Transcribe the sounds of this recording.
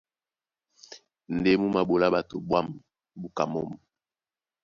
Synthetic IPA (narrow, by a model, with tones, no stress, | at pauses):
n˨de˦mu˦ma˨bo˨la˦ba˨to˨bwa˦m˨ | bu˦ka˨mɔ˦m˨